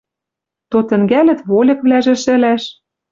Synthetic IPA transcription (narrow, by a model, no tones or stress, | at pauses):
t̪ot̪ɘ̆ŋɡælɘ̆t̪βolʲɤ̆kβlæʒĕʃɘ̆læʃ